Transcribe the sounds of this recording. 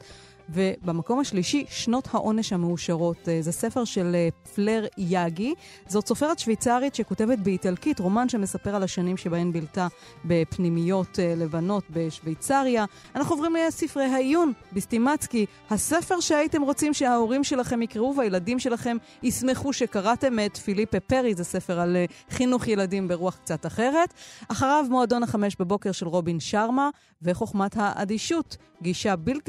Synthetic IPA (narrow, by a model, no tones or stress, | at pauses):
ve̞bamako̞mhaʃliʃiʃno̞thaʔo̞ne̞ʃhame̞uʃaʁo̞tzese̞fe̞ʁʃe̞lfleʁjaɡi | zo̞tso̞fe̞ʁetʃvejt͡saʁitʃe̞ko̞te̞vetbeitalkitʁo̞manʃeme̞sape̞ʁalaʃanimʃe̞bae̞mbilta | be̞pnimijo̞tle̞vano̞tbe̞ʃvejt͡saʁja | anaχnuovʁimlesifʁejɦaijunbestimat͡ski | hase̞fe̞ʁʃeaite̞mʁo̞t͡simʃeao̞ʁimʃe̞laχe̞mikʁeuveajeladimʃe̞laχe̞m | isme̞χuʃekaʁate̞met̪filipepe̞ʁizase̞fe̞ʁal | χinuχje̞ladimbe̞ʁuaχk̚t͡sataχe̞ʁe̞taχaʁavmoado̞naχame̞ʃbebo̞keʁʃe̞lʁo̞binʃaʁma | ve̞χo̞χmathaʔa̰d̪iʃut | ɡiʃabilt